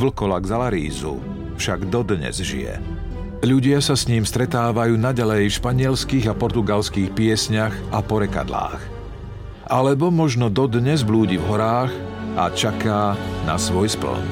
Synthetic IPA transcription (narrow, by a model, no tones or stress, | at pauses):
vl̩kɔlaɡzalaɾḭːzṵ | fʃaɡd̪ɔd̪ɲɛ̰zʒḭjɛ̰ | ʎuɟɪasasɲiːmst̪ɾɛt̪aːʋajuːnaɟalɛjfʃpaɲɪɛlskiːɣapɔɾt̪uɡalskiːxpɪɛsɲaɣʔapɔɾɛka̰d̪la̰ːx | ʔalɛbɔmɔʒnɔd̪ɔd̪ɲɛzbluːɟivɦɔɾaːɣ | ʔa̰t͡ʃakaːna̰sʋɔjspl̩̰n